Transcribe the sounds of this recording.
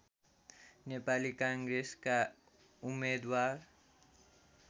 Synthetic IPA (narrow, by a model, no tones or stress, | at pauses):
nepalikãŋɡɾeska | umːed̪waɾ